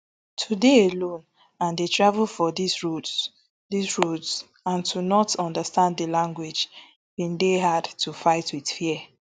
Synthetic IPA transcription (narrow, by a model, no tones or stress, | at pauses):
tʰudeelõn | ãndetʰɹavlfɔdisɹu | disɹuts | ãntʰunɔtɔ̃ndəstãnddəlãŋɡwed͡ʒ | bĩndeɦadtufaɪtʰwid̥fiɛ